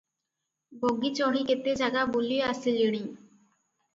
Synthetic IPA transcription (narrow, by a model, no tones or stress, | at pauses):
boɡːit͡ɕɔɦiket̪ːed͡ʑaɡabulieasiliɽ̃i